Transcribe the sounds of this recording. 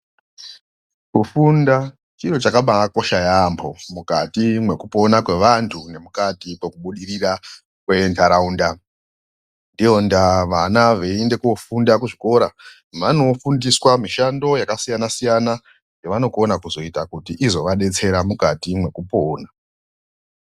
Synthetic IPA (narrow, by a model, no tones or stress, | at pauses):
kufunda | t͡ʃit͡ʃo̞t͡ʃakaɓaako̞ʃajambʰo̞mukatimwe̞kupo̞nakwe̞ʋantʰune̞mukatipekuɓuɗirira | kwe̞ntʰaɾaunda | ndijo̞ndaʋanaʋeende̞kuofundakuʐiko̞ɾa | mano̞fundiswamiʃando̞jakasijanasijana | jɡeʋano̞konakuzo̞itakutiʔizo̞ʋaɗe̞t͡se̞ɾamukatimwe̞kupoːna